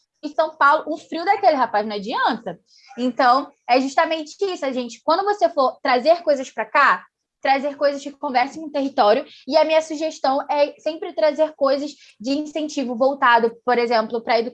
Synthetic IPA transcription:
ẽsɐ̃w̃pawlʊʔũfɾiwd̪akelɪɦapaznɐd͡ʒiɐ̃nt̪ɐ | ẽnt̪ɐ̃w̃ | ɛʒuʃt̪ɐmẽnt͡ʃɪ̥isʊɐʒẽnt͡ʃɪ̥kwɐ̃nd̪ʊvosefoɾt̪ɾazeɾkojzɐspɾɐka | t̪ɾazeɾkojzɐskɪkõvɛɾsɐ̃j̃ũt̪eɦit̪ɔɾjʊ | ɪɐmĩɲɐsuʒeʃt̪ɐ̃w̃ɛsẽmpɾɪt̪ɾazeɾkojzɐz | d͡ʒɪĩsẽnt͡ʃivʊvowt̪ad̪ʊpoɾezẽmplʊpɾɐed̪u

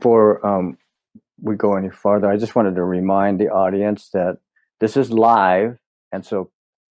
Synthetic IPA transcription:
fɔɹʌ̃m | wiɡoʊɛnifɑɹðə˞aɪd͡ʒʌst̚wɑ̃ñɨd̚tɨɹimãɪ̃nðiʔɔɾiɨ̃nsðɨt̪̚ | ðɪsɨzlaɪv | ɨ̃nsoʊ

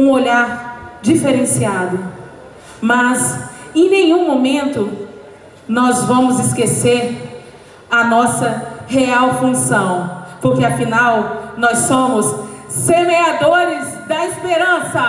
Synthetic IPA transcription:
ũoʎaɾd͡ʒifeɾẽsiad̪ʊ | mɐzẽj̃nẽj̃ũmõmẽnt̪ʊ | nɔzvɐ̃mʊzɪskeseɾ | ɐnɔsɐheawfũsɐ̃w̃poɾkeafinawnɔssõmʊsːemead̪oɾɪzd̪ɐispeɾɐ̃sɐ

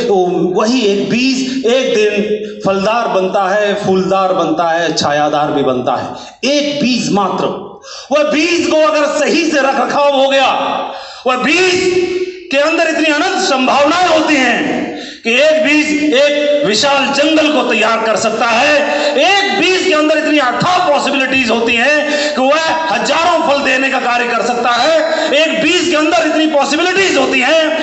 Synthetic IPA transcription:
t̪oʋɐɦieːk̚biːzeːk̚d̪ɪnpʰəld̪aːɾbə̃nt̪aɦɛpʰuːld̪aːɾbə̃nt̪aɦɛɐtːʃʰajaːd̪aːɾbĩbɐnt̪a̰ɦɛ̰ː | eːk̚biːsmaːt̪ɾə | ʋɐɦbiːzkoɐɡəɾsɐɦiseɾɐkʰɾəkʰaɦoɡɐja | ʋɐɦbiːskeɐ̃nd̪əɾɪt̪niɐnə̃nt̪sə̃mbʱaːʋnaɦoːt̪iɦɛ̃ː | kieːkbiːd͡ʒeːkʋɪʃaːld͡ʒɐ̃ŋɡəlkot̪ɐjːaːɾkɐɾsɐk̚t̪aɦɛː | eːk̚biːskeɐ̃nd̪əɾɪt̪niəʈ̪ʰːaːpɔːsɪbɪlɪʈiːzɦoːt̪iɦɛ̃ | kiʋɐɦ | hɐd͡ʒaːɾõpʰɐld̪eːnekakaːɾjəkɐɾsɐk̚t̪aɦɛ | eːk̚biːskeɐ̃nd̪əɾɪt̪nipɔːsɪbɪlɪʈiːzɦoːt̪iɦɛ̃ː

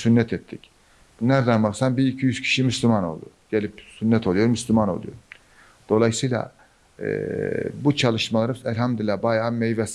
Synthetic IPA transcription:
synːɛt̪ʰɛt̪ʰːic | bunˠæɾd̪ænbasambiicʰijyz̥cʰi̥ʃimyslʲymano̞̰lˠd̪ṵɟelʲipsynːɛt̪ʰo̞lˠujoɾmyslʲymano̞lˠṵjo̰ | d̪̥o̞lˠajɯsɯjlˠa̰ | ɯ̰but͡ʃʰalˠɯʃmalˠaɾɯælʲɦamd̪ilʲabajammejvɛs

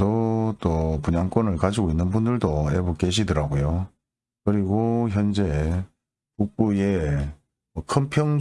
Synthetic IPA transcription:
ot͈opuɲaŋk͈wʌnɯɭkad͡ʑiɡoinːɯnbundɯɭdoebok͈eɕ̬ʰidɯɾaɡojo | kɯɾiɡoçjʌnd͡ʑe̞ | kuk̚p͈uje | ʌkʰɯmpʰjʌŋ

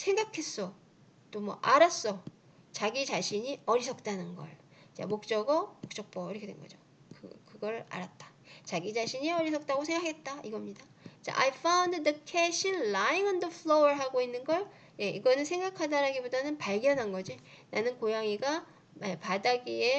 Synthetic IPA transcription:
sʰe̞ŋɡakʰe̞s͈ʌ | t͈omwʌʔaɾas͈ʌ | t͡ɕaɡid͡ʑaɕʰiɲiʌɾisʰʌk̚t͈anɯnɡʌ̰ɭ | t͡ɕa̰mok̚t͡ɕ͈ʌɡʌmok̚t͡ɕ͈ʌk̚p͈ʌiɾʌkʰedwḛnɡʌ̰d͡ʑo | kɯkɯɡʌɾa̰ɾat̚t͈ḁt͡ɕaɡid͡ʑaɕʰiɲiʌɾisʰʌk̚t͈aɡosʰe̞ŋɡaakɡet̚t͈aiɡʌmɲida | t͡ɕ͈a̰ʔa̰jfʰaunddɯkʰeɕʰinlaiŋʌndʌfʰɭoʌɭɦaɡoinːɯnɡʌɭ | je̞ʔiɡʌnɯnsʰe̞ŋɡakʰadaɾaɡibodanɯnpaɭɡjʌnɦanɡʌd͡ʑi | nanɯnkojaŋiɡa | mepadaɡie̞

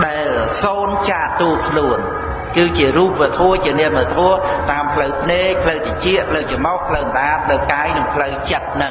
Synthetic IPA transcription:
ɗaɛlsoːnt͡ɕaːʔt̪uəkʰluən | kɨːt͡ɕiəɾuːp̚ʋə̆ət̪ʰoət͡ɕiənɛəməət̪ʰoət̪aːmpʰləwpʰneːk̚pʰləwt̪at͡ɕiəʔpʰləwt͡ɕəmɔhpʰləwməɗaːt̪̚pʰləwkaːjnɨŋpʰləwt͡ɕət̪̚nɨŋ

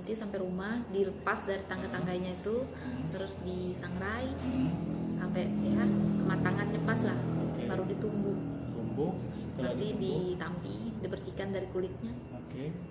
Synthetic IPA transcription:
nt̪isampɛɾumahdiləpasdaɾit̪aŋɡat̪aŋɡajɲait̪u | t̪əɾʊsdisaŋɾaj | sampɛpiɦaəmat̪aŋan̚ɲəpaslahbaɾudit̪umbʊh | t̪umbu | ət̪idit̪ampidibərsikandaɾikulɪk̪̚ɲa | oke

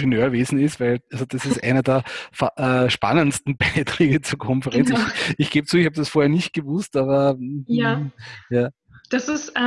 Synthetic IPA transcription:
ənøːɐveːzn̩ɪstvæɪlʔalzod̥asɪstʔæ̰ɪnədɛːɐfaʔɛʃpa̰nənstn̩baɪtʁ̥eːɡət͡suːɐkʰɔnfəʁɛnt͡sɪçɡ̥eːbət͡suːɪçhab̚dasfoːɐhɛːɐnɪçt̚ɡ̥əvʊstaːβɐajaː | d̥asɪs

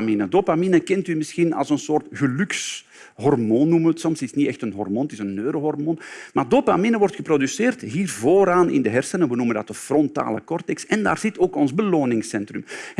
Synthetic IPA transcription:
minədoːpaminəkɛntymɪsxinɑ̰lˠsənsoːrtɣəlʉks | ɦɔrmoːnːuməətsɔmsɪsnitɛxtənɦɔ̰rmoːntɪsənːøːɾoɦɔrmoːnmaːrdopa̰minəʋɔrtxəprodysɪːrtɦiːrvoːɾaːnɪ̰ndəɦɛrsənəʋənuməndɑtəfrɔnta̰ːlə̰kɔrtɛksɛndaːrz̥ɪtoːkɔnzbəloːnɪŋsɛntrʏm

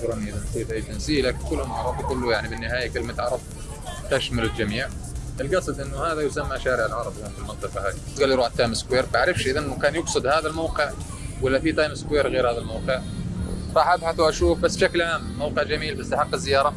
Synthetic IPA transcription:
ɾˤanːiʔɪðansiːd̪ʔajːt̪ansiːlaːkɪnkʊlːʊnʕɑɾˤɑbkʊlːʊjaʕnibɪnːɪhaːjakɪlmat̪ʕɑɾˤɑb̚ | t̪aʃmʊlɪld͡ʒamiːʕʔɪlɡɑsˤɨd̪ʔɪnːʊhaːðajʊsamːaʃaːɾɪʕalʕɑɾˤɑb̪ˤjanfilmɑnt̪ˤɨqɑhaːðit̪ɡalːjɾuːʕat̪ːɑjmɪskweːɾbaʕɾɪfʃʔɪðanʔɪnːʊkaːnjʊɡsˤɨd̪haːðalmawqɪʕ | walːafit̪ɑːjmɪskweːɾɣeːɾhaːðalmawqɨʕɾˤɑːħʔabħaθwʔaʃuːfbasːbʃaklʕaːmːawqɪʕd͡ʒamiːlbasːaħɑqːɪzːɪjɑːɾˤɑ

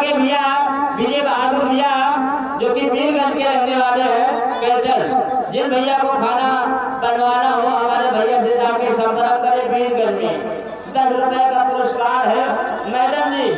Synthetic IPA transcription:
ɡebijabʱɪd͡ʒebaːɡ̪ʊɾbʱija | d͡ʒoːkipiːɾɡəʈkeɾəkʰneʋaːleɦɛ̃ | keʈəls | d͡ʒɪnbʱəɪjakokʰaːna | bənʋaːnaɦoɦɐmaːɾebʱəjaset̪akesəmpəɾəmkəɾepiːɽɡəʈme | d̪ət̪ʰɾʊpəjakapʊɾəskaːɾɦɛ | mɛːɖənd͡ʒi

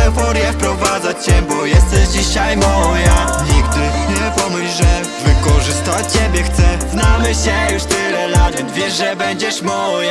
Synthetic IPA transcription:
ɛvɔɾjɛfpɾɔvad̪zat͡ɕɕɛbɔjɛst̪ɛʑd͡ʑiɕajmɔjaɲiɡt̪ɲɛpɔmɘɕʐɛ | vɘkɔʐɨst̪at͡ɕt͡ɕebʲjɛxt̪sɛznamɘɕɛjuʂt̪ɪlɛlavʲɛnt̪vʲjɛʂʐɛbɛɲd͡ʑɛʂmɔja

